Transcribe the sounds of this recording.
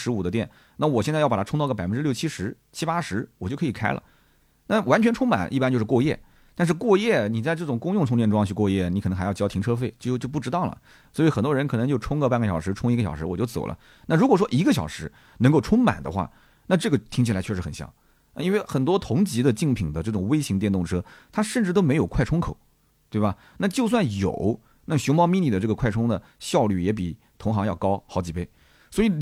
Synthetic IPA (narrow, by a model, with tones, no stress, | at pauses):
ʂɻ̩˧˥u˨˩d̪ə˦t̪jɛ˥˩n | na˥˩wɔ˨˩ɕjt͡sjp̪ʰʈ͡ʂʰʊ˥ŋɑ˥˧ɡpfə˦nʈ͡ʂɻ̩˥ljo˥˩ʊt͡ɕʰi˥ʂɻ̩˧˥ | t͡ɕʰi˥pa˥ʂɻ̩˧˥wɔ˨˩t͡ɕo˥˩ʊkʰɤ˧˥i˨˩kʰa˥ɪlə̰˨ | na˥˩wa˧˥nt͡ɕʰɛ˧˥nʈ͡ʂʰʊ˥ŋma̰˨˩˦nʔi˥˩pa˥nt͡ɕo˥˧ʊʂ̩˥˧kwɔ˥˧jɛ̰˥˩ | t̪a˥˧nʂ̬ɻ̩˥˧kwɔ˥˧jɛ˥˩ni˨˩t͡sa˥˧ɪʈ͡ʂɤ˥˩ʈ͡ʂʊ˨˩ŋkʊ˥ŋjʊ˥˩ŋʈ͡ʂʰʊ˥ŋ̬ɛ˥˧nʈ͡ʂʊ˥ɑ˥˧t͡ɕʰy˥˧kwɔ˥˧jɛ˥˩ni˧˥k̪ʰɤ˧˥xjɑ˥˧t͡ɕjɑ˥t̪ʰi˧˥ŋʈ͡ʂʰɤ˥fe˥˩ɪt͡ɕo˥˧t͡ɕjo˥˧ʊp̬u˥˩ʈ͡ʂɻ̩˥t̪ɑ˥˩ʊlə̰˩ | swɔ˧˥i˨˧˩xə˨˩nt̪wɔ˥ɻə˧˥nk̪ʰɤ˧˥ŋt͡ɕjo˥˩ʊʈ͡ʂʰʊ˥ŋɡə˧pa˥˩nɡə˩ɕjɑ˨˩ʊʂɻ̩˧˥ʈ͡ʂʰʊ˥ŋi˧˥ɡə˩ɕɑ˨˩ʊʂɻ̩˧˥wɔ˨˩t͡ɕo˥˩ʊt͡so˨˩ʊlʔə̰˦ | na˥˩ɻu˧˥kwɔ˨˩ʂ̬wɔ˥ʔi˧˥ɡə˧ɕjɑ̰˨˩ʊʂɻ̩˧˥ | nɤ˧˥ŋko˥˩ʈ͡ʂʰʊ˥ŋma̰˨˩nd̪ə̰˦xwa̰˥˩ | na˥˧ʈ͡ʂɤ˥˩ɡə˩t̪ʰi˧˥ŋt͡ɕʰi˨˩la˧˥t͡ɕʰɥɛ˥˩ʂɻxə˨˩nɕjɑ̰˧˩˦ŋ˥˧ | i˥nwe˥˧ɪxə˨˩nt̪̬wɔ˥t̪ʰʊ˧˥ŋt͡ɕi˧˥d̪ə˧t͡ɕi˥˩ŋpʰi˨˩ŋd̪ə˦ʈ͡ʂɤ˥˩ʈ͡ʂʊ˨˩ŋwe˥ɪɕi˧˥ŋt̪jɛ˥˧nt̪ʊ˥˩ŋʈ͡ʂʰɤ˥t̪ʰa˥ʂə˥˧ʈ͡ʂɻ̩˥˩t̪o˥ʊme˥jo˨˩ʊkʰwa˥˩ɪʊ˥ŋkʰo˨˩˦ʊ | t̪we˥˩ɪbɐ˩ | na˥˧t͡ɕjo˥˧ʊs̬wa˥˩njo̰˨˩˦ʊ | na˥˩ɕʊ˧˥ʊmɑ˥mi˥˧ni˥˩d̪ə˩ʈ͡ʂɤ˥˩ə˩kʰwa˥˩ɪʈ͡ʂʰʊ˥ŋd̪ə˨ | ɕjɑ˥˧ʊly̰˥˩jɛ˧˥p̬i˨˩ | t̪ʰʊ˧˥ŋxɑ˧˥ŋjɑ˥˩ʊkɑ˥ʊxɑ˧˥ʊt͡ɕi˨˩pe˥˩ɪ | swɔ˧˥i˧˥